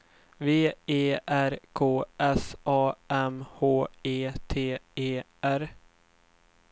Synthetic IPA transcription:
veːeːʔæɾkʰoːʔɛsʔɑːɛmhoːeːt̪ʰeːeː | æɾ

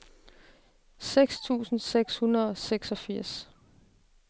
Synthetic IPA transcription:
seɡ̥st͡sʰṵːsn̩seɡ̥shunɐð̩ˠɒ̽seɡ̥sɒ̽fiɐ̰s

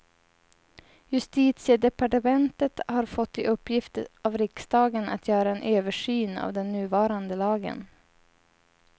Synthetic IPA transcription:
jɵst̪iːt̪sɪəd̪ɛpaʈəmɛnt̪ət̪haɾfɔt̪ːɪʔɵpːjɪft̪əavɾɪksd̪ɑːɡəna̰t̪ʰjœːɾaɛnʔøːvəʂyːna̰vd̪ɛnːʉ̟ːvɑːɾand̪əlɑːɡə̰n

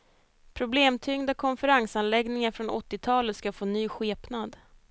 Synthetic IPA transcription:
pʰɾʊbleːmt̪ʰʏŋd̪akʰɔnfəɾaŋsanlɛɡnɪŋaɾfɾɔnɔ̰t̪ːɪt̪ʰɑːlət̪skafoːnyːɧeːpnad̪

